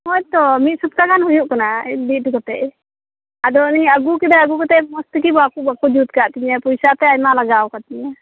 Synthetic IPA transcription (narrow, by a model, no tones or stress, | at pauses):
mɔjt̪ɔmit̪̚sup̚k̪aɡanɦɔjuʔkanabiʈikɔt̪ɛ̰ʔ | ad̪ɔniaɡukid̪aaɡukɔt̪ɛʔmɔst̪ik̬ibakubakud͡ʒut̪̚kaʔt̪iɲapɔjsat̪ɛajmalaɡawkat̪iɲa